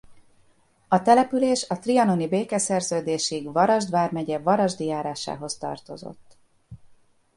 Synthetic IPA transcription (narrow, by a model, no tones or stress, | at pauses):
ɒt̪ɛlɛpyleːʃɒt̪riɒnonibeːkɛsɛrzøːd̪eːʃiɡvɒɾɒʒd̪vaːrmɛɟɛvɒɾɒʒd̪ijaːɾaːʃa̰ːɦo̞st̪ɒ̰rt̪o̞̰zo̰t̪ː